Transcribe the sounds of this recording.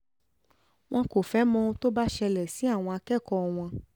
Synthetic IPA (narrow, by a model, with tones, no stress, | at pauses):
w̃ɔ̃˧ko˨fɛ˨˦mɔ̃˦˧ũ˧to˦ba˦ʃɛ˧lɛ˨si˨˦a˦˨w̃ɔ̃˧a˧kɛ˦˨kɔ˧w̃ɔ̃˧